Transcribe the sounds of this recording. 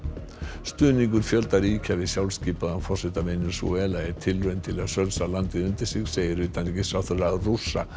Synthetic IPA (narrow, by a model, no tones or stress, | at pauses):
st̪ʏːniŋk̬ʏɾ̥fjœlt̪aɾiːcʰavɪðsjawlsciːpaðanfɔr̥sɪht̪amɪnʏɾsṵɛːlaɪɾt̪ʰɪlrœɥnt̪ʰɪlaðsœlsalant̪ɪðʏnt̪ɪɾ̥sɪɣseːjɪɾʏːt̪anɛcɪsawθʏɾarusːa̰